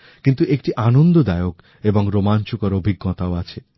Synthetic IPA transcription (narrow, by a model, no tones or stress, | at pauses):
kint̪uʔek̚ʈiʔanond̪od̪aeok | eboŋɾomant͡ɕukɔɾobʱiɡːɔt̪aoat͡ɕʰe